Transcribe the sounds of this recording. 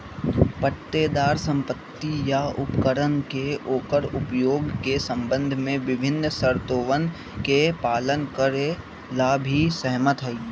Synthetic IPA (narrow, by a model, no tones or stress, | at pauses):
pəʈ̪ːed̪aːɾsə̃mpət̪ːijaʊpkəɾənkeoːkəɾʊpjoːɡkesə̃mbə̃nd̪ʱmẽʋɪbʱɪnːsəɾt̪oːʋən | kepaːlənkəɾe | laːbʱisəɦmət̪ɦi